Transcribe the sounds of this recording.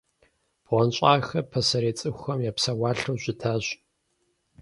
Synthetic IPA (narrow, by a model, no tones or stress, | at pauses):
b̥ʁʷɔnɕʼaːxɐpʰɐsɐɾeːt͡sʼɨxʷɐmjaːpsɐwaːɬowʑʷɪtʰaːɕ